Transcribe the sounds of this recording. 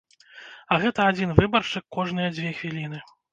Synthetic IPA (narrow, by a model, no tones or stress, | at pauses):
ɐɣɛt̪ɐad͡zʲinvɨbɐrʂɨkːɔʐn̪ɨjɐd͡zʲvʲɛxvʲilʲinɨ